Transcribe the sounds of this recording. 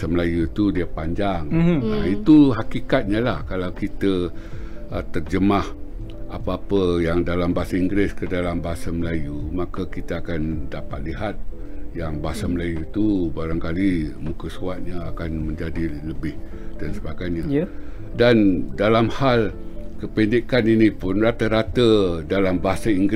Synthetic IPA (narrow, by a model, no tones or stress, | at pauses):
saməlajut̪udiəpaɲd͡ʒaŋait̪uɦakikat̪̚ɲalahkalawkit̪ə | t̪ərd͡ʒəmah | apaapəjaŋdalambaɦasaiŋɡɾɪskədalambaɦasaməlajumakəkit̪əakandapat̪̚liɦat̪̚jaŋbaɦasaməlajut̪ubaɾaŋkalimũkəsuat̪̚ɲaakanmə̃ɲd͡ʒadiləbɪh | d̥ansəbaɡajɲa | dandalamhalkəpindikaninipʊnrat̪əɾat̪ədalambaɦasaiŋɡ